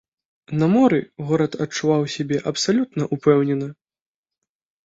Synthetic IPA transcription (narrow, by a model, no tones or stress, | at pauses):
nɐmɔɾɨɣɔɾɐt̪ɐt͡ʂːuvawsʲabʲɛʔɐpsalʲut̪nɐʔupɛwnʲɛnɐ